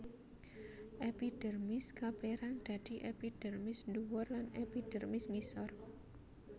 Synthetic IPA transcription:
ʔepid̥ə̤rmɪskapeɾaŋd̪̥a̤d̪̥i̤ʔepid̥ə̤rmɪsnduwɔrlanepid̪̥ɛrmɪsŋisɔr

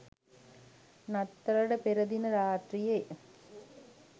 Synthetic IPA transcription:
nɐt̪ːɐɾɐɽɐpɛɾɐðinɐɾaːʈrije

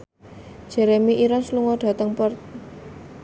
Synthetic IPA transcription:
d̥ʒ̥ɛɾemiʔiɾansluŋɔɖ̥a̤t̪əŋpərt̪̚

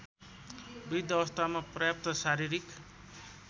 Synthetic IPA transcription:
bid̪ʌʌst̪ʰamaprʌjap̚t̪ʌsaɾiɾik

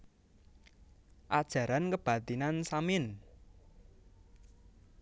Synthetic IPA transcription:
ʔad̥ʒ̥ä̤ɾankəb̥ä̤t̪inansamɪn

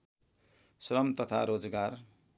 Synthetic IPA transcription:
sɾʌmt̪ʌt̪ʰa̰ɾod͡zɡar

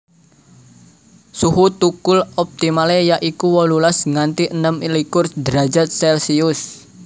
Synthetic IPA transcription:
suɦut̪ukʊlɔp̚t̪imalejaʔikuwɔlulasŋant̪iʔənəmilikʊrsd̪ɾa̤d͡ʒa̤t̪̚sɛlsiʊs

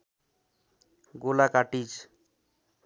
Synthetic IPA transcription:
ɡolakaʈid͡ʒ

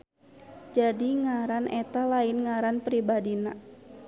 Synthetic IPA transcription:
d͡ʒadiŋaɾanʔɛt̪alaɪnŋaɾanpɾibadina

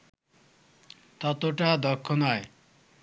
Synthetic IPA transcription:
t̪ʌt̪oʈad̪ʌkʰːonaj

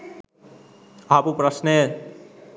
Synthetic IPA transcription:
apupɾasne

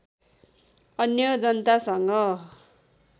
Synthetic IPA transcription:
ʌnjʌd͡zʌnt̪asʌŋɡʌ

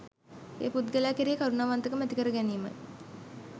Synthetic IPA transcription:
ḛːput̪ɡəlæːkiɾijekaɾunaːʋant̪əkəmæt̪ikəɾəɡæniːmə̰j

